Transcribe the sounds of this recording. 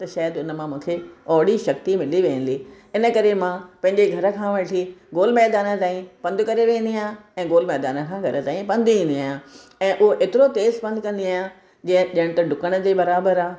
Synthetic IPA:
t̪ɐʃaːjəd̪ʊnəmãmũːkʰeɔːɽiʃɐk̚t̪imɪliʋẽːə̃nli | ɪnə̆kɐɾemãpɐ̃ɦɪ̃ɲd͡ʑeɡʱɐɾə̆kʰãʋɐʈʰiɡoːlmɛːɦd̪aːnə̆t̪aːĩpɐ̃nd̪kɐɾeʋẽːn̆d̪iaaːɛ̃ːɡoːlmɛːd̪aːnə̆kʰãːɡʱɐɾə̆t̪aːĩpɐ̃nd̪iẽnd̪iaːjã | ɛ̃ːʔʊɦoʔet̪ɪɾot̪eːzbɐ̃nd̪̚ʱkɐ̃nd̪iaːjã | d͡ʑĩːə̃ʄiəɽ̃t̪ɐɖʊkəɽ̃d͡ʑeːbɐɾaːbəɾaː

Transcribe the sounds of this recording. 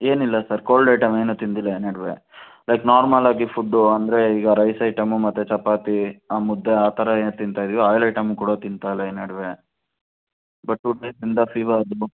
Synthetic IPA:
eːnilːɐsɐɾkoːɭɖɐjʈɐmeːnut̪ind̪ilːɐeːnɐɽʋḛ | lɐjknaːɾmɐlaːɡifuɖːuɐnd̪ɐɾe̞iːɡɐɾɐjsɐɪʈɐmumɐt̪ːet͡ʃɐpaːt̪iaːmud̪ːeaːt̪ʰɐɾɐeːnt̪int̪aːjd̪iʋoaːjlɐjʈɐmukuːɽɐt̪int̪aːjlɐeːnɐɽʋe | bɐʈːuʈeːsind̪ɐfʰiːʋɐɾɐd̪u

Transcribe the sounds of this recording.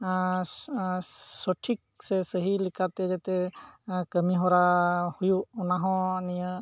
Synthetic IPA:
sɔʈʰik̚sɛsəɦilikʰat̪ɛd͡ʒat̪ɛkəmiɦɔɾahujuɔnaɦɔ̃nijə

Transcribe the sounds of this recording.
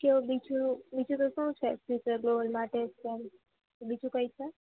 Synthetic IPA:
keobit͡ʃʰubit͡ʃʰũt̪oʃũt͡ʃʰefut͡ʃəɾɡlobəlmãʈeskem | obid͡ʒʰũkəjt͡ʃʰe

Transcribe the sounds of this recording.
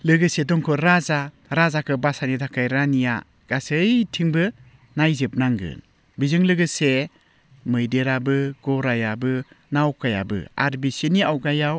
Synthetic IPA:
lɯɡɯsedɔŋkʰɔɾaza | ɾazakʰɯbasanidʰakʰajɾanija̰ | ɡ̥asɯjtʰiŋbɯ | najzep̚naŋɡɯ̰n | bizɯŋlɯɡɯse | mɯjdeɾabɯɡ̥ɔɾajabɯ | nawkaja̰bɯ̰a̰ɾbiseniawɡajaw

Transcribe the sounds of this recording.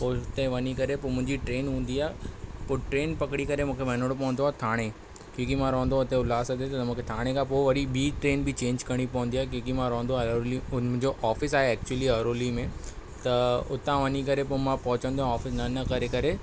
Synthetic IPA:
poːʊt̪ẽʋɐnikɐɾepoːmʊ̃ɦɪ̃ɲd͡ʑiʈɾeːnɦũːn̆d̪iaːepʊːɾʈɾeːnpɐkɽikɐɾemũːkʰeʋɐɦnəɽopɐʋə̃nd̪oaːet̪ʰaːɽ̃e | kjũːkimãɾɐʋə̃nd̪oʊt̪ẽʊlaːsɐt̪et̪ɐmũːkʰet̪ʰaːɽ̃ẽkʰãpoːʋɐɗibiːʈɾeːnbɪt͡ɕẽːɲd͡ʑkɐɽ̃ipɐʋə̃nd̪iaːɦek̬jũːkimãɾɐʋə̃n̆d̪oɐɾoliʊ̃ɪ̃ɲd͡ʑoʔaːfɪsaːɦeɛːk̚t͡ɕuəliɐɾoːlimẽt̪ɐʊ̰t̪ãʋɐɲikɐɾepoːmãpɐɦʊt͡ɕə̃ənd̪oãaːfɪsnɐnɐkɐɾekɐɾe

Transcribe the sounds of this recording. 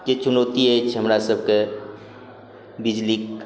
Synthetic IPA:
ket͡ʃʊnoːt̪iɦet͡ʃʰɦəmɾasəb̚ke | bɪd͡ʒlik

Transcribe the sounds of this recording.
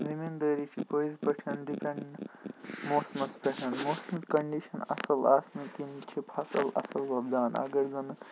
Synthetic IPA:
zimind̪əːɾit͡ʃʰipojzpɐʈʰɐnɖipʰeɳɖ | moːsmɐspʰeʈʰɐnmosmɐt̪kɐɳɖiʃɐnɐ̰sɐlaːsnɐkint͡ʃʰipʰɐsɐlɐ̰sɐlbɐbd̪aːnɐ̰ɡɐɾzɐnɨ

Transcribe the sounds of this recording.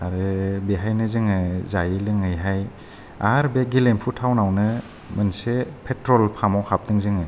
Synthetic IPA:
aɾɯbeɦajnɯzɯŋɯzajilɯŋɯjɦaj | aɾbeɡilempʰutʰawnawnɯ | mɯnsepʰetɾɔlpʰamawhap̚dɯŋzɯŋɯ

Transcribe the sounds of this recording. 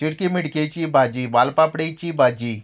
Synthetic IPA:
t͡ɕiɽkimiɽket͡ɕiːbʱad͡ʑiːʋalpapɽejt͡ɕiːbʱad͡ʑiː

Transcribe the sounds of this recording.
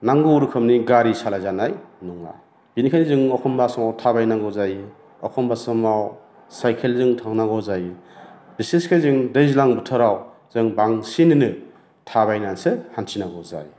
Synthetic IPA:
naŋɡɯuɾɯkʰɯmniɡaɾisalajzanajnuŋa̰ | b̥inikʰanizɯŋɔkʰɔmbasɔmawtʰabajnaŋɡɔzaj | ɔkʰɔmbasɔmaw | sajkʰelzɯŋtʰaŋnaɡɔzaj | biseskʰajzɯŋdɯjzilaŋbɯtʰɯɾaw | z̥ɯŋbaŋsinɯnɯ | tʰaβajnansɯhansinaɡɔza̰j

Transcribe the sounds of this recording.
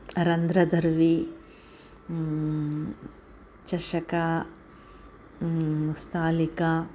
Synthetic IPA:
ɾɐnd̪ɾɐd̪ɐɾʋi | t͡ʃɐʃɐka | st̪ʰaːlika

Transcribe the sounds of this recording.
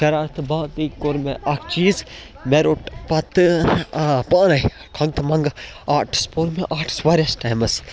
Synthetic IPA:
kɐɾaːɾt̪ʰɨbãːt̪iːkoɾmeʔakʰt͡ʃiːz | meɾoːʈpɐt̪ɨ | paːnɐi | kʰɐ̃ŋɡt̪ʰmɐ̃ŋɡaːʈʰspoːɾmeʔaːʈʰsʋaːɾjɐsʈaːjmɐs

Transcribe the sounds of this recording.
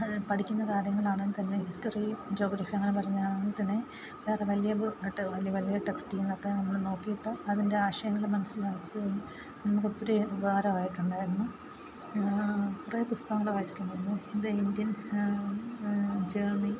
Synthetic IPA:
pɐʈʰikʲːunːɐkaːɾjɐŋːɐɭaːɳnːt̪ɐnːe̞histɐrid͡ʑo̞ːɡɾaːfiɐŋːɐnepɐrɐjɲːɐðaːɳnːt̪ɐnːe̞ | ʋeːreʋɐlijɐbɨʈːɨʋɐlijɐʋɐlijɐʈeksʈienːokːenɐmːɐɭno̞ːkːijiʈːɨɐðinde̞aːɕɐjɐŋːɐɭiɭmɐnɐsːilaːkːɨɐu | nimukːepːoɾeɡaːɾɐʋaːjiʈːuɳɖaːjiɾunːu | purɐjɐpust̪ɐʋɐŋːɐɭʋaːjit͡ɕːi̥ʈːuɳɖaːnːuind̪eindjɐn | d͡ʑeːrni

